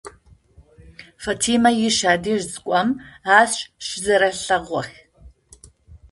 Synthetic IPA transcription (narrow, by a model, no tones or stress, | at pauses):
fɐtʰiːmɐjɪʃaːdiːʒzɨkʷʼɐmaːsɕʼɕɪzɐɾɐɬɐʁʷɔx